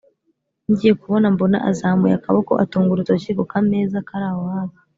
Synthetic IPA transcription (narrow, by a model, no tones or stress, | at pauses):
ɲɟijekuβo̞nambo̞na̰ʔazaːmujakaβoko̞̰ʔa̰tuːŋɡuɾutoʃiɡokameːzakaɾaːwaβa